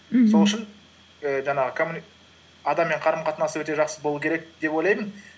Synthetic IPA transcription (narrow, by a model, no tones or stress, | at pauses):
so̞lˠʏʃɪn | əʒɑɴɑʁəkʰomun | ɑd̪ɑmːe̞ɴqʰɑɾəmqʰɑt̪ənɑsəwɵt̪eʒɑqsəzbolˠukʰʲe̞ɾek̚d̪̥epwo̞jlˠɑjmən